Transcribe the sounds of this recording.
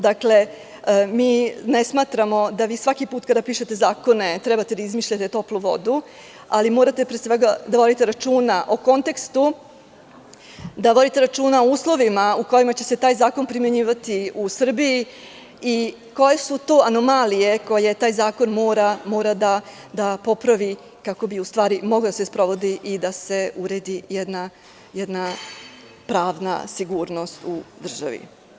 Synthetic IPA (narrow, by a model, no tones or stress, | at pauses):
d̪akle̞ | miːnesmaːt̪ɾamo̞d̪aʋiːsʋakipuːt̪kad̪apiːʃe̞t̪e̞zaːko̞ne̞t̪ɾɛbat̪e̞d̪aizmiːʃʎat̪e̞t̪o̞pluʋo̞̰d̪u | alimo̞ːɾat̪e̞pɾesʋeɡad̪aʋod̪it̪eɾat͡ʃuːnaʔo̞ko̞nt̪e̞kst̪u | d̪aʋod̪it̪e̞ɾat͡ʃuːnaouːslˠo̞ʋimauko̞jimat͡ɕe̞se̞t̪aːjzaːko̞npɾimjeɲiːʋat̪iusr̩biji | i | ko̞je̞sut̪o̞ːano̞malije̞ko̞je̞t̪aːjzaːko̞nmoːɾamo̞ːɾad̪a | d̪apo̞pɾaʋi | kako̞biust̪ʋaːɾimo̞ɡlad̪asespɾo̞ʋo̞d̪iʔid̪ase̞uɾeːd̪ijed̪na | jed̪na | pɾaːʋna̰siɡuːɾno̞st̪ud̪r̩ʒaʋḭ